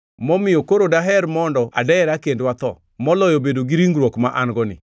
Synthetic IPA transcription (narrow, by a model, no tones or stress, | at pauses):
mɔmɪjɔkoɾodaɦɛɾmɔndɔʔa̰dɛɛɾakendwat̪ɔ̰ | mɔlɔjɔbedoɡiɾiŋɡɾwɔkmaʔanɡɔnɪ̰